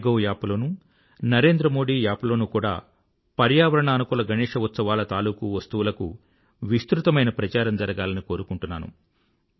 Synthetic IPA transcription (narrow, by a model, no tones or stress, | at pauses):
ɡɐwjaːpulo̞ːnu | nɐɾe̞ːnd̪ɾɐmo̞ːɽiːjaːplo̞ːnukuːɽa̰ː | pɐɾjaːʋɐɾɐɳɐːnukuːlɐɡʱɐnɛːʂɐʋut̪sɐʋaːlɐt̪aːluːkuʋɐst̪uʋulɐkṵ | ʋist̪ɾut̪ɐmɐjnɐpɾɐt͡ʃaːɾɐmd͡ʒɐɾɐɡaːlɐniko̞ːɾukuɳʈunːa̰ːnṵ